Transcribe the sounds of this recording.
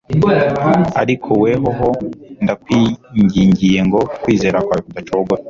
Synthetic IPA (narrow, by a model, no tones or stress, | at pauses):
aɾikʰoweɦoɦondakwiɲɟiːɲɟije̞ŋɡo̞kwiːze̞ːɾakwaːjkud̪at͡ʃoɡoɾa